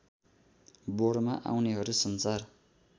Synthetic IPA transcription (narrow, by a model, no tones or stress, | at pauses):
boɽmaʔa̰wneɦʌɾusʌnsar